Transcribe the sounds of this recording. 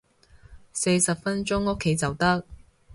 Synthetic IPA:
se˧jsɐ˨p̚fɐ˥nt͡ʃʊ˥ŋʊ˥kʰːe˨˥jt͡sɐ˨wt̪ɐ˥k̚

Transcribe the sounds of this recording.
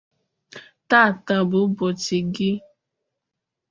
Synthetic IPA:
ta˦˨ta˨bu˨˦bɔ˨ti˨ɡi˦

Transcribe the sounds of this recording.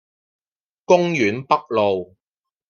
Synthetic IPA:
kʊ˥ŋjyː˨˥npɐ˥k̚lo˨w

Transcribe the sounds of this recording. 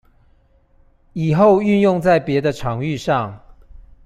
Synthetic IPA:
i˨˩xo˥˨ʊy˥˧njʊ˥˧ŋt͡sa˥˨ɪpjɛ˨˦d̪ə˨ʈ͡ʂʰɑ˨˦ŋy˥˧ʂɑ˥˨ŋ

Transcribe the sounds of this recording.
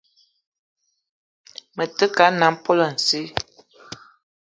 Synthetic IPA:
mə˨tə˦ka˨˦na˨m̩˦pɔ˦lə˨n̩˨si˦

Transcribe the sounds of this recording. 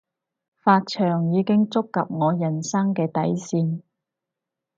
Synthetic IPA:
faː˧t̚t͡ʃʰœː˨˩ŋjiː˨˧kɪ˥ŋt͡sʊ˥kːɐ˨p̚ŋɔː˨˧jɐ˨˩nsɐ˥ŋkɛː˧t̪ɐ˨˥jsiː˧n

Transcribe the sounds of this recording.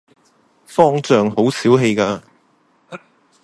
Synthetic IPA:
fɔː˥ŋt͡sœː˨ŋho˨˥wsiː˨˥wɦe˧jkaː˧

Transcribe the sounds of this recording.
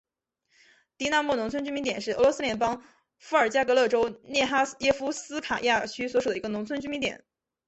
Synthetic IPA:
t̪i˧˥na˥˧mu˥˩nʊ˧˥ŋt͡sʰə˥nt͡ɕy˥mi˧˥nt̪jɛ˨˩nʂɻ̩˥˩ə˧˥lɔ˧˥sɹ̩˥ljɛ˧˥npɑ˥ŋ | fu˧˥ə˞˨˩t͡ɕja˥kɤ˧˥lɤ˥˩ʈ͡ʂo˥ʊnjɛ˥˩xa˥jɛ˥fu˥sɹ̩˥kʰa˨˩ja˥˩t͡ɕʰy˥swɔ˧˥ʂ̬u˨˩d̪ə˩i˧˥ɡə˧nʊ˧˥ŋt͡sʰə˥nt͡ɕy˥mi˧˥nt̪jɛ̰˨˩˦n

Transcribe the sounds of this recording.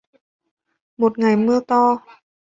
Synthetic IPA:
mo˨˩t̪̚ŋa˨˩jmɯ˧ət̪ɔː˧˩

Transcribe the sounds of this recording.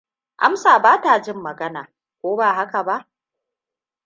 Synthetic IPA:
ʔa̰˦msaː˨baː˦ta˨d͡ʒɪ˦mːɐ˨ɡɐ˦na̰ː˨ | kʷoː˦baː˦˨ɦa˦ka˨ba˦ʔ

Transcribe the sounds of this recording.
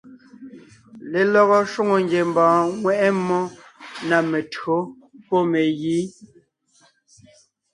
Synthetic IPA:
le˨lɔ˦ɣɔ˦ʃwo˦ŋo˨ŋɡje˨m˨bãː˨ŋwɛ˦ʔɛ˦mːɔ˦na˨me˨tɰo˨˦ | pɔ˦me˨ɣiː˨˦

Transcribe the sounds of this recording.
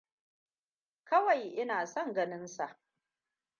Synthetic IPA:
kɐ˦wa˨jʔɪ˦naː˨sɔ˦˨ŋɡɐ˦nɪ˦nsa˨ʔ

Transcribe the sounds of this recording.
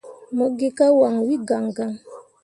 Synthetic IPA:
mo˨ɡe˦ka˦wa˨ŋwi˦ɡa˨ŋɡa˨ŋ

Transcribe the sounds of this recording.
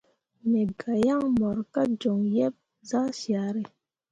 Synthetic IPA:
me˨ɡa˨ja˦ŋmɔ˨ɾka˦d͡ʒɔ˨ŋjɛ˦p̚ | za˦sja˨ɾe˨

